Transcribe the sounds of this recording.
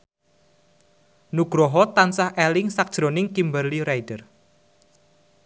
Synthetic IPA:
nuɡ̥ɾɔɦɔt̪ansahɛlɪŋsak̚d̥ʒ̥ɾonɪŋkimbərliɾajdər

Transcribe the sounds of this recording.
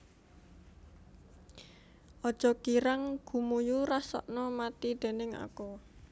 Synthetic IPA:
ʔɔd̥ʒ̥ɔ̤kiɾaŋɡ̥ṳmujuɾasɔ̰ʔnɔmat̪id̪̥e̤nɪŋa̰kɔ

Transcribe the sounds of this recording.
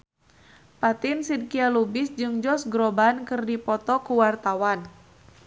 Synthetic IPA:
pat̪ɪnsid̚kialubɪsd͡ʒɨŋd͡ʒɔsɡɾɔbankɨrdipɔt̪ɔkuwart̪awan

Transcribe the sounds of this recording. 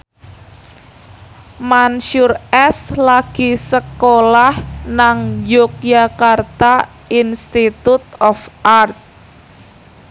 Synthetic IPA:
manʃurɛslaɡ̥isəkolahnaŋjok̚jakart̪a | inst̪it̪ut̪̚ɔfʔart̪̚

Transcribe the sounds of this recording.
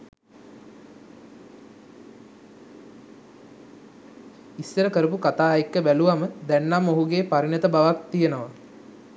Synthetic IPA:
isːəɾəkəɾəpukat̪aːikːəbæluʋaməd̪ænːamːoɦuɡeːpaɾinət̪əbaʋak̚t̪ijenəʋa

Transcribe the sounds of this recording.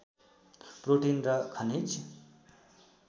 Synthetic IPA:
proʈinrʌkʰʌnit͡s

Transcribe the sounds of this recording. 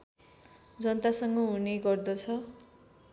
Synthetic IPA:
d͡zʌnt̪asʌŋɡʌɦuneɡʌrd̪ʌt͡sʰʌ

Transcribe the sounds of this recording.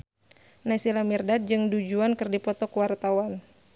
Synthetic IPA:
nasilamirdad̚d͡ʒɨŋdud͡ʒuankɨrdipɔt̪ɔkəwart̪awan

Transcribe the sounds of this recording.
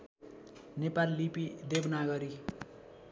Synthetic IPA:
nepalːipid̪ebnaɡʌɾi

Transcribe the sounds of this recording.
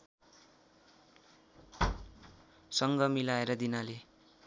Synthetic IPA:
sʌŋɡʌmilaeɾʌd̪inale

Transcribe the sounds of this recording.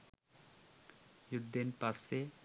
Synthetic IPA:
jud̪ːenpase

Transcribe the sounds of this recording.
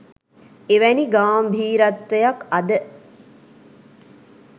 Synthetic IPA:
eʋæniɡaːmbʱiːɾɐt̪ʋəjakɐd̪ə

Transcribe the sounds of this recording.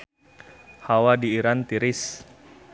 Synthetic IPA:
hawadiːɾant̪iɾɪs

